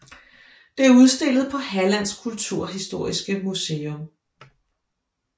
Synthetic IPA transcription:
d̥e̝æɐuð̞ˠsd̥e̝lð̩ˠpʰɒ̽hælæn̰skʰult͡sʰuɐ̰ɦisd̥o̝ɐ̰isɡ̥əmuseːɔm

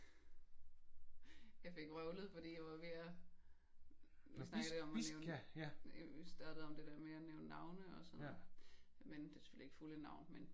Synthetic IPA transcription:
jɑ̈ɪfe̝ɡ̥ʁœʊlð̩ˠfɒ̽d̥ḭːjɑ̈ʋɑ̈ʋeæ | ʋisnɑ̈ɡ̥deɒ̽mneʊn | isd̥ɑːd̥ð̩ˠɒ̽md̥e̝d̥eɐmeæneʊnnɑ̈ʊ̰nəɒ̽sɔ̽n̩ˠ | mend̥e̝sə̥følie̝ɡ̥fulənɑ̈ʊ̰nmen

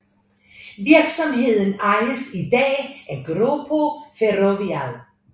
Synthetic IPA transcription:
ʋiɐɡ̥sɒ̽mɦe̝ð̞̰ˠn̩ɑɪləsid̥ɛ̰ːʔæɡ̥ʁopʰofeʁoʋiæðˠ

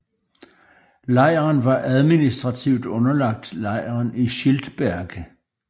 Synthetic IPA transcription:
lɑ̈ɪ̰ɐnʋɑ̈ʔæð̞ˠminisd̥ʁɑ̈t͡sʰiʊd̥ɔ̽nɐlɑ̈ɡ̥̚d̥lɑ̈ɪ̰ɐniɕild̥b̥æɐɡ̥ə

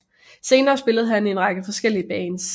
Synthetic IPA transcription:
se̝ːnɐːsb̥e̝ləð̞̩ˠɦæne̝nʁɑ̈ɡ̥əfɒ̽sɡ̥el̰iəb̥ɛːns

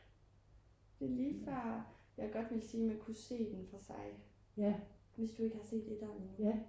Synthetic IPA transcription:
d̥e̝liːfɶɐ̰jɑ̈ɪɡ̥ɒ̽d̥ʋe̝ləsiːmænkʰuse̝̰ːd̥enfɑsɑ̈ɪ | ʋe̝sd̥ue̝ɡ̥əhɑ̈se̝̰ːd̥ed̥ænen

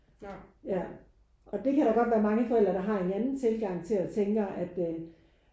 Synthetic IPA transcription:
jæ | ʔɒ̽d̥e̝kʰæɾɑ̈ɡ̥ɒ̽d̥ʋæːɐmɑ̈ŋəfɒ̽el̰dɐɾ̥ɑ̈ɦɑ̈e̝nænn̩t͡sʰe̝lɡ̥ɑ̈ŋ̰t͡sʰe̝læt͡sʰeŋɡ̥ʔæd̥

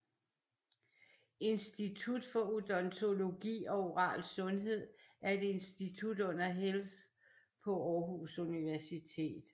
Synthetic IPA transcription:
e̝nsd̥it͡sʰud̥fɒ̽od̥ɒ̽nt͡sʰo̝lo̝ɡ̥ḭːɒ̽o̝ʁɑ̰̈ːlsɔ̽nɦe̝ð̞̰ˠæɐe̝d̥e̝nsd̥it͡sʰud̥ɔ̽n̰ɐɦels | pʰɒ̽ɒːɦusuniʋæɐsit͡sʰe̝̰ːd̥

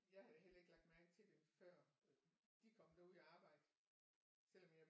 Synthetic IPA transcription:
jɑ̈ɪhæðɦel̰ɐe̝ɡ̥lɑ̈ɡ̥d̥mæɐɡ̥̩ˠt͡sʰe̝ld̥emfɶɐ̰ | d̥ikʰɒ̽m̰d̥æɐuð̰ˠiɑ̈ːb̥ɑ̈ɪ̰d̥ə | sel̰ɒ̽mjɑ̈ɪ

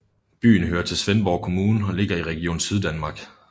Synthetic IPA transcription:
b̥y̰ːn̩ɦøːɐt͡sʰe̝lsʋenb̥ɒʊkʰo̝muːn̩ɒ̽le̝ɡ̥ɐiʁɛɡ̥io̝̰ːn̩syð̞ˠd̥ænmɑ̈ɡ̥

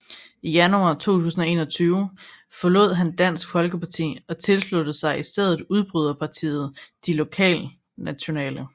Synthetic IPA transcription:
ijænuɑ̰̈ːt͡sʰo̝̰ːt͡sʰṵːsn̩ɒ̽e̝̰ːnɒt͡sʰyːʊ | fɒ̽lo̝ð̞̰ˠɦænd̥æn̰sɡ̥fɒ̽lɡ̥əpɑ̈t͡sʰḭːɒ̽t͡sʰe̝lslud̥əsɑ̈ɪisd̥eð̞̰ˠð̩ˠuð̞ˠb̥ʁyð̞ˠɐpʰɑ̈t͡sʰḭːð̞̩ˠd̥ilo̝kʰɛ̰ːl | næɕo̝nɛ̰ːlə

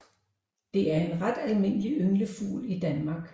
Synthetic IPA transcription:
d̥e̝æɐe̝nʁad̥ælme̝n̰əliʔøŋləfṵːlid̥ænmɑ̈ːɡ̥

